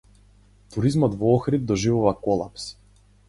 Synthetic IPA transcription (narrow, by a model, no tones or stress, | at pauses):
t̪uɾizmɔd̪vɔɔxɾid̪̚d̪ɔʒivuvakɔlˠa̰ps